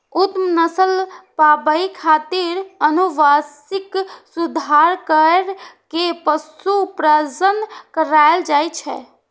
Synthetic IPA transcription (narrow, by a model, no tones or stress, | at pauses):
ut̪mnəsəlpabəikʰat̪iɾənuʋas | iksud̪ʱaɾkəɾkepəsupɾəzənkəɾajld͡ʒajt͡ʃʰɛ̰